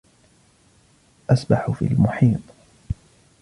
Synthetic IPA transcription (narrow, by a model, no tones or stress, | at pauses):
ʔasbaħʊfḭːlmʊħiːt̪ˤ